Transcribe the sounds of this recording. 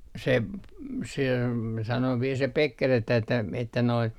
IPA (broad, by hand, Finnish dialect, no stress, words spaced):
se p se sɑno ʋiel se pekːer etːæ etːæ noi